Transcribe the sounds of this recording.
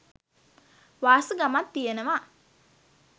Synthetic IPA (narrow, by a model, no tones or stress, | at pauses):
ʋaːsəɡamat̪ːijenəʋa